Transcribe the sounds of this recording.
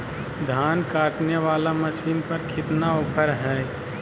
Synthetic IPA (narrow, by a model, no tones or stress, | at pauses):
d̪ʱaːnkaːʈ̪njəʋaːlamɐsiːnpɐɾkʰɪt̪naʊpʰəɾɦɛː